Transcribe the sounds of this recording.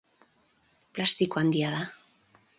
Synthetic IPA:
plast̪ikoand̪jaða

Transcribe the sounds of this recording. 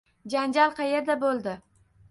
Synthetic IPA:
d͡ʒand͡ʒalˠqʰɑjeɾd̪abolˠd̪ɪ

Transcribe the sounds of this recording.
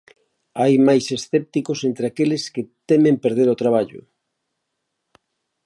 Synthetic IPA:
ajmajsesθɛp̚t̪ikosent̪ɾeakelɪsket̪emẽmpeɾð̞eɾot̪ɾaβ̞aʎʊ̰

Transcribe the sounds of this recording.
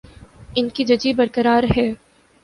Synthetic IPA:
ɪnkid͡ʒɐd͡ʒibɐɾkəɾaːɾɦɛː

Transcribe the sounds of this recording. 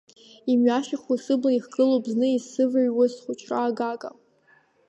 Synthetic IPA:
imɥaʃaχʊsɨblaiχɡɨlobznɨisɨvaɥwasχʷʊt͡ʃʰraːɡakʼa̰

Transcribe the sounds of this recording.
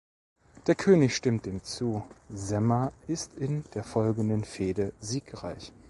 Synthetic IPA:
d̥eːɐkʰøːnɪçʃtɪmt̚d̥eːmt͡suːzɛmɐʔɪstɪnd̥eːɐfɔlɡŋ̩dənfeːdəziːkʁaɪç

